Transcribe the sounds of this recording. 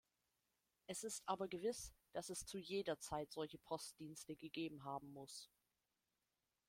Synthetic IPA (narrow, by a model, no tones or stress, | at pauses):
ʔɛsɪstʔaːbɐɡəvɪsd̥asɛst͡sujeːdɐt͡saɪtz̥ɔlçəpʰɔst̚d̥iːnstəɡəɡeːbm̩ɦaːbm̩mʊs